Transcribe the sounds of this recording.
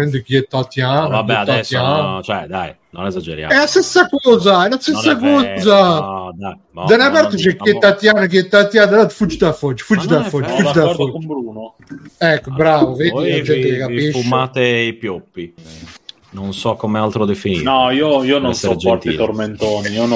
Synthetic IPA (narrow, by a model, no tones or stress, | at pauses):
ɾend̪ukiɛt̪ːat̪janvabeɛad̪aɛjant͡ʃɛd̪aj | nonezad͡ʒeɾja̰ɛlast̪esːakɔːzaɛlast̪essːakɔːzad̪aj | d̪anabɛɾt̪ot͡ʃɛkːiɛt̪ːat̪jaːnakiɛt̪ːat̪jad̪anat̪fud͡ʒːid̪afod͡ʒːfud͡ʒd͡ʒːid̪affɔd͡ʒːfudd͡ʒid̪aɔɾdoombɾuːno | ɛkːobɾaːvoveːd̪iad͡ʒ̪ɛelekapeʃumaːt̪eipjopːi | nonsɔkːomealt̪ɾod̪efinḭɔioiːonoseɾed͡ʒɔt̪ḭt̪orment̪oːniion